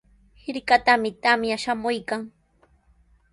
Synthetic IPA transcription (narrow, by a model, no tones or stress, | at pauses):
hɪɾkat̪amɪt̪amjaʃamʊjkaŋ